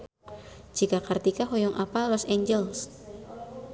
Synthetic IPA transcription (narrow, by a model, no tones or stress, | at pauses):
d͡ʒikakart̪ikaɦɔjɔŋʔapalɔseɲd͡ʒɛls